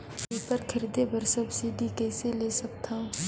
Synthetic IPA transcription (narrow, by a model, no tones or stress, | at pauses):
pepəɾkʰəɾiːd̪ebəɾsəbsiɖikɛːseleːsɐk̚t̪ʰaː